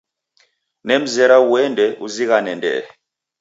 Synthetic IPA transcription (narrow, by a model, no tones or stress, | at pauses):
nɛm̩zɛɾauwɛndʱɛʔuziɣanɛndɛ̰